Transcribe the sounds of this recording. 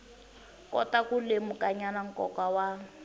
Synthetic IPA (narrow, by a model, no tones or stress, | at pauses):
kɔ̰takulemukʼaɲanaŋ̩kɔkawa